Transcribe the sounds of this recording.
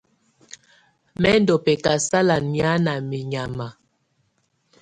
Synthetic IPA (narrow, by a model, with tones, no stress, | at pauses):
mɛ˦n˦dɔ˨pɛ˨ka˨sa˦la˨nmja˦na˨mi˨ɲa˨ma˨